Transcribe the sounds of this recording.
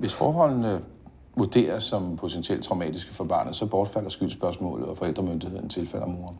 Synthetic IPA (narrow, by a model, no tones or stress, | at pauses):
ʋe̝sfɒːɦɒ̽l̰n̩ə | ʋud̥e̝̰ːɐsːɒ̽mpʰo̝t͡sʰensiel̰d̥̚t͡sʰʁɑ̈ʊmɛ̰ːd̥isɡ̥əfɒ̽b̥ɑ̈ːnð̩ˠsɒ̽b̥ɒːd̥fæl̰ɐsɡ̥ylsb̥ɶɐsmɔ̰̽ːlð̩ˠɒ̽fɒ̽el̰d̥ʁɐmønd̥ihe̝ð̰ˠn̩t͡sʰe̝lfæl̰ɐæmo̝ːɐn